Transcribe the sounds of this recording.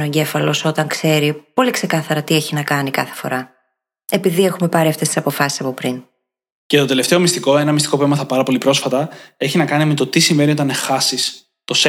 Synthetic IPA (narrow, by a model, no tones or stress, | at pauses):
oeɲɟe̞fɐlo̞so̞t̪ɐŋkse̞ɾipo̞likse̞kɐθɐɾɐt̪ie̞çinɐkɐnikɐθefo̞̰ɾɐ | e̞piðie̞xume̞pɐɾiɐft̪est̪i̥sɐpo̞fɐsi̥sɐpo̞pɾin | cet̪o̞t̪e̞le̞ft̪e̞o̞mist̪iko̞enɐmist̪iko̞pemɐt̪ɐpɐɾɐpo̞lipɾo̞sfɐt̪ɐe̞çinɐkɐnime̞t̪o̞t̪isiɱve̞nio̞t̪ɐnexɐsis | t̪o̞s